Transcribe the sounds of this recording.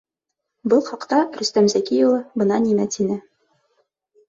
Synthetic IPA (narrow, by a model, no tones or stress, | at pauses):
bɤlˠχɑqt̪ɑɾɵ̆st̪æmzækijŏlˠɤbɤ̆nɑnimæt̪inɘ